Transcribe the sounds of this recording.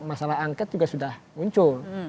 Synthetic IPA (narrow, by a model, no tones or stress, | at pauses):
masalaɦaŋkɛt̪̚d͡ʒuɡasudahmuɲt͡ʃʊl